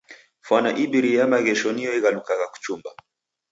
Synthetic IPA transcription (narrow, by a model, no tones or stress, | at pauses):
fanaʔibiɾijamaɣɛʃɔniɔiɣalukaɣaku̥t͡ʃumba